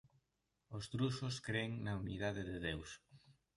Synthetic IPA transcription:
ost̪ɾusʊskɾeŋnɐuniðaðɪðɪðews

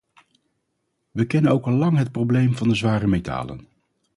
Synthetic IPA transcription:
ʋəkɛnənowkɑlˠːɑŋɦət̚prowblejmvɑndəzʋaːɾəmejta̰ːlə̰n

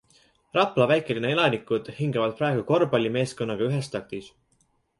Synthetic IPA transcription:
rɑplɑvæjkːˑe̞linee̞lɑnikːˑud̪̥hiŋɡɑvɑd̪̥̚pɾɑeɡuko̞rbɑlʲime̞ːsko̞nːɑɡ̥ɑyɦest̪ɑk̚t̪is

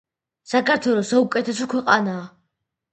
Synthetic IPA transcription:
sakʰaɾt̪ʰwɛlˠɔsaukʼɛt̪ʰɛsɔkʰwɛqʼanaː

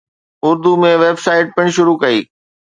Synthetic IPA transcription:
ʊɾd̪umẽʋeːbsaːɪʈ̚pɪɽ̃ʃʊɾukɐḭː

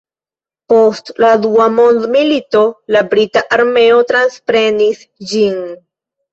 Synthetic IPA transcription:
po̞stladuamo̞nd̪milito̞labɾitaʔaɾme̞o̞tɾanspɾe̞nis | d͡ʒin

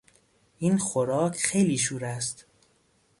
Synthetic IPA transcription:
ʔiːnxoɾɒːkʰxe̞jliːʃ̬uːɾæst̪

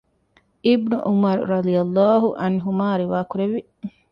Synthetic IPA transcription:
ibnuʔumɐɾɾɐd̪ijɐlˤːaːɦuʔɐ̰nɦumaːɾiʋaːkuɾeʋi

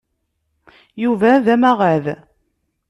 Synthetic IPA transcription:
juvæðæmæʁæð

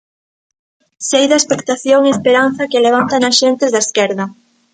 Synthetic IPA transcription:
sejðɐespekt̪aθjoŋeespeɾan̟θɐkeleβ̞ant̪ɐnɐsʃent̪ɪzðɐeskɛɾðɐ

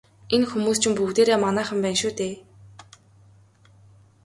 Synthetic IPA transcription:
enxumuːst͡ɕʰɪ̆mpuɣt̪eːɾeːmanæːχə̆mpæːnʃuːt̪eː

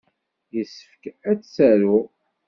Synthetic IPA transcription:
jəsəfkæt͡sːsæɾu

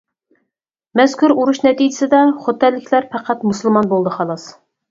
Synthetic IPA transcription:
mɛz̥kʲuɾuɾuʃnɛt̪id͡ʒɪsɪd̪ɛχot̪ːɛlːɪkʲʰlæɾpʰæqʰæt̪musɨlˠmɑnbolˠd̪əhɑlˠɑs

